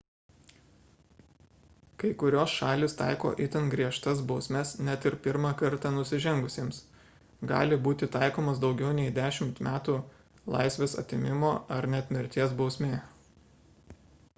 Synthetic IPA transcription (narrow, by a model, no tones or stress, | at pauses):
kɐɪkʊɾʲoːsʃɑːlʲist̪ɑ̰ˑɪko̰ːʔɪt̪ʲɛnɡɾʲiɛʃt̪ɐsbɒʊsʲmʲɛsnʲɛt̪ɪɾpʲɪɾmɑkɐɾt̪ɑːnʊsʲɪʒʲɛŋɡʊsʲiːms | ɡɑ̰ːlʲɪbuːt̪ʲɪt̪ɑɪkoːmɐsd̪ɒʊɡʲɛʊnʲɛɪd̪ʲæːʃʲɪmt̪mʲæːt̪uː | lˠɑ̰ɪsʲʋʲeːsɐ̰t̪ʲɪmʲɪmoːɐɾnʲɛɐt̪ʲmʲɪɾʲt̪ʲiɛsbɒʊsʲmʲeː